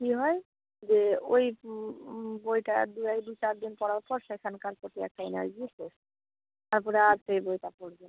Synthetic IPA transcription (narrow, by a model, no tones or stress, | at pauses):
kiɦɔe | d͡ʑeoj | bojʈa̰d̪ujajd̪ujt͡ɕaɾd̪inpɔɽaɾpɔɾʃekʰankaɾpoʈiɛ̰k̚ʈaina̰d͡ʑuɾko | t̪aɾpɔɾeaɾt̪ejbojʈapoɽben